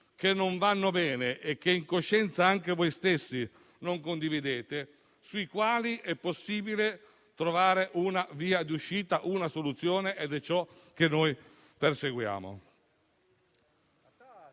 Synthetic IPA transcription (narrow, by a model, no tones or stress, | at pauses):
k̟enːoɱvanːobɛːneʔek̟ːeiŋkoʃːɛnt̪saaŋkevojst̪esːi | noŋkond̪ivid̪eːt̪e | suikwaːliʔɛpːosːiːbile | t̪ɾovaːɾeʔunaviːad̪iuʃːiːt̪aʔunasolut̪sːjoːneʔed̪ɛt͡ʃːɔk̟enːoj | perseɡwja̰ːmo̰